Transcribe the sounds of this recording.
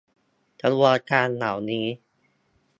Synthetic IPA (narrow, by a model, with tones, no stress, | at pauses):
ta˧lu˧˩a˧kaː˧nːa̰ː˩˦wniː˦˥